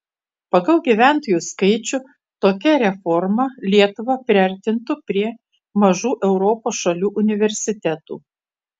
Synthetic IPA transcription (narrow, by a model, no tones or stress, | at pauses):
pɐɡɐlˠɡʲiʋʲæˑnt̪oːjuːskɐɪt͡ʃʲʊ | t̪oːkʲɛɾʲɛfɔɾmɐlʲiɛt̪ʊʋɐpʲɾʲɪɐɾʲt̪ʲɪnt̪ʊpʲɾʲiɛ | mɐʒuːʔɛʊɾɔpoːsʃɐlʲuːʔʊnʲɪʋʲɛɾʲsʲɪt̪ʲɛt̪ṵː